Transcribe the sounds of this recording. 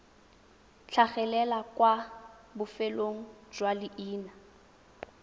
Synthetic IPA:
t͡ɬʰaχɛlɛlakwabʊfeloŋ̩d͡ʒwalɪʔiːna

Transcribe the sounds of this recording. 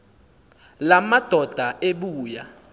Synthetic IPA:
lamad̥ʱɔd̥ʱaʔeɓuːja

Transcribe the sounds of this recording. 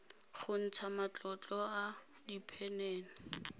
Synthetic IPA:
χʊn̩t͡sʰamat͡ɬʼɔt͡ɬʼɔa | dipʰɛnɛːnɔ

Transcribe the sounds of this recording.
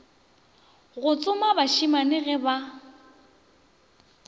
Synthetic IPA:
ɣʊt͡sʼʊmabaʃimanɪɣɛba

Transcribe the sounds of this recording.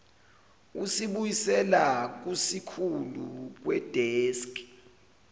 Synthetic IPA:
usiɓujisɛlak̬usikʰuluk̬wɛd̥ʱɛːsk

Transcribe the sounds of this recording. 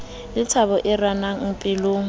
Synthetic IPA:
lɪt͡sʰaβɔʔɪranaŋ̩pʼɪloːŋ̩

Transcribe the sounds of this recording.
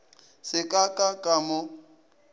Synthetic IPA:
sɪkʼakʼakʼamʊ

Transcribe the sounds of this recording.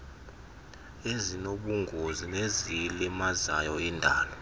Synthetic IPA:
ezinoɓuŋɡʱozinezilɛmaza̰jɔindʱaːlɔ

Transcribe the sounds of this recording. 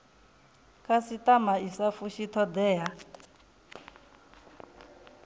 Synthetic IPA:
kʼasitamaisafuʃit̪ʰɔd̪ɛːɦa

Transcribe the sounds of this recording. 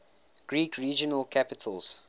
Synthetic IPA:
ɡ̥ɹiːkʰɹiːd͡ʒənəlkʰæpɪtʰəlˠz̥

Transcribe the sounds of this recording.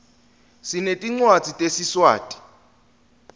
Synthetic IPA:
sinetʼiŋ͡ǀwḁt͡sʼitʼesiswa̰ːtʼi̥

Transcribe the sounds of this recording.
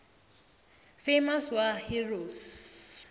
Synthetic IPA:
femaswahiros

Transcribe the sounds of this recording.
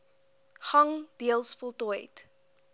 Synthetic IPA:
χɐŋd̥iəlˠsfɔlˠtɔjt

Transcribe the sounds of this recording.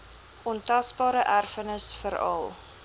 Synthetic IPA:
ʔɔntɐsbɑːɾəʔærfənəsfəɾɐ̰lˠ

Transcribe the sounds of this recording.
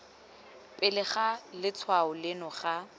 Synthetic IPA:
pʼɪlɪχalɪt͡sʰwaʊlɪnɔχa

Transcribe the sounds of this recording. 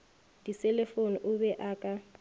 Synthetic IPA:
d̥isɛlefoniʔʊbɛʔaːkʼa

